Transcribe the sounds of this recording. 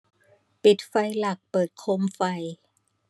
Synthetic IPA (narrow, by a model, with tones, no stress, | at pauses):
pi˨˩t̪̚fa˧jla˨˩k̚pɤː˨˩t̪̚kʰo˧mfa˧j